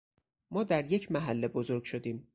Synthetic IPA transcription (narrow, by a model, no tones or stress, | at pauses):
mɒːd̪æɾje̞cʰmæɦælːe̞bozo̞ɾɡ̥ʃo̞d̪iːm